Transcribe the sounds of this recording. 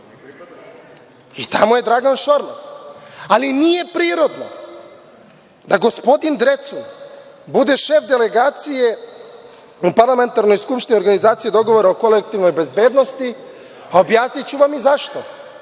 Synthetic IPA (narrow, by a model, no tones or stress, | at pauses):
it̪a̰moje̞d̪ɾaɡanʃo̞ɾmsalinije̞pɾiːɾo̞d̪no | d̪aɡo̞spo̞d̪ind̪ɾet̪sun | bud̪e̞ʃe̞fd̪ele̞ɡaːt̪sije̞ | upaɾlˠame̞nt̪aɾno̞jskupʃt̪inioɾɡanizaːt̪sijed̪o̞ɡo̞ʋoɾaoko̞lek̚t̪iʋno̞jbe̞zbeːd̪no̞st̪i | aobjaːsnit͡ɕuʋamizaʃt̪o̞